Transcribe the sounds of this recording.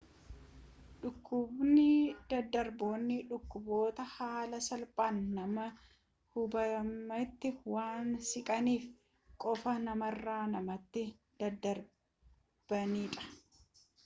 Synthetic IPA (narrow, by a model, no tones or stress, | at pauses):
ᶑʊkːʊbnɪd̪̥ɐd̪ːɐɾboːnːɪᶑʊkːʊbo̞ːt̪ɐhaːlɐsɐlpʼaːnːɐmɐ | hʊbɐmɐt̪ːɪwaːnsɪkʼɐniːf | kʼɔfɐnɐmɐrːaːnɐmɐt̪ːɪ | d̪̥ɐd̪ːɐɾ | b̥ɐniːᶑɐ̥